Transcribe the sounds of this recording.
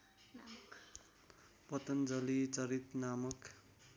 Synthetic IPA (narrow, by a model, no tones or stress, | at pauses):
pʌt̪ʌnd͡zʌlit͡sʌɾit̪namʌk